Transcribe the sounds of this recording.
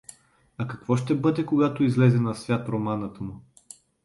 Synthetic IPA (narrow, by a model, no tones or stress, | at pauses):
ɐkɐkvɔʃt̪ɛbɤd̪ɛkoɡat̪oizlɛzɛnɐsvʲjat̪ɾomanət̪əmʊ